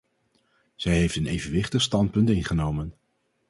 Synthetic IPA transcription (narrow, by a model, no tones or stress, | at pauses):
z̥ɛjɦejftənejvənʋɪχtəχstɑntpɵntɪnχənowmən